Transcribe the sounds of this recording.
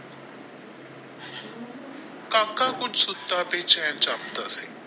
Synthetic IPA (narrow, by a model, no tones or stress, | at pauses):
kaːkːakʊt͡ʃsʊt̪ːapet͡ʃɛːnt͡ʃaːp̚t̪asi